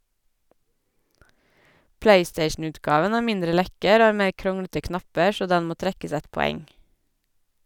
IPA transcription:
ˈpleɪˌsteɪʃn̩ˌʉːtˌɡɑːʋən ˈæː ˈmɪndɾə ˈlɛkəɾ ˈoː ˈɑː ˈmeː ˈkɾʊŋɽətə ˈknɑpə ˈʃoː ˈdɛn ˈmoː ˈtɾɛkəs ˈɛt pɔˈɛŋ

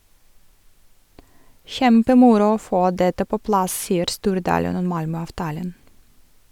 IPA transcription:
ˈçɛmpəˌmʊɾʊ ˈoː ˈfoː ˈdɛtə ˈpoː ˈplɑs ˈsiːəɾ ˈstuːɾˌdɑːlən ˈɔm ˈmɑlmœɑʋˌtɑːlən

